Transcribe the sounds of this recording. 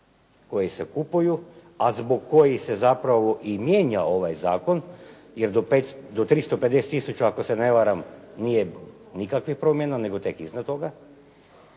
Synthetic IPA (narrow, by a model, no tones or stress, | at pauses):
ko̞jise̞kupuju | azboɡkːojise̞zapɾaʋo̞ʔimjeːɲao̞ʋajzaːko̞n | jeɾd̪opet̪d̪ot̪ɾist̪o̞pet̪d̪e̞set̪ːisut͡ʃaːko̞sene̞ʋaɾamnije | nikakʋixpɾo̞mjenaneɡo̞t̪e̞kiznad̪t̪o̞ɡa